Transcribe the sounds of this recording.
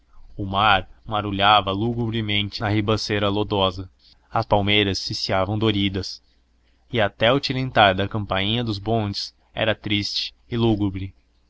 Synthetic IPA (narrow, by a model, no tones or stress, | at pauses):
ʊmaɾmaɾuʎavɐluɡubɾɪmẽnt͡ʃɪnɐhibɐseɾɐlod̪ɔzɐ | ɐspawmejɾɐsːisiavɐ̃w̃d̪oɾid̪ɐs | ɪɐt̪ɛʊt͡ʃilẽnt̪aɾd̪ɐkɐ̃mpaĩɲɐd̪ʊzbõnd͡ʒɪs | ɛ̰ɾɐt̪ɾist͡ʃɪ̥ | ɪluɡubɾɪ